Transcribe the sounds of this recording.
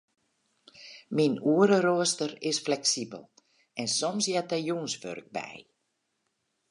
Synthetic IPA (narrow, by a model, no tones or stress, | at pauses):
minuəɾəɾoəstərɪsflɛksibə̰lˠ | ɛnsɔmsjɛt̚ɛjunsʋø̰rk̚bɛ̰j